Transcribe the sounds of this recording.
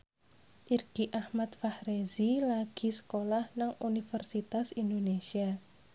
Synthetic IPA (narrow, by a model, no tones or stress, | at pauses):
ʔirɡ̥iʔahmat̪fahɾezilaɡ̥i̤sə̥kolahnaŋunifərsit̪asindonesia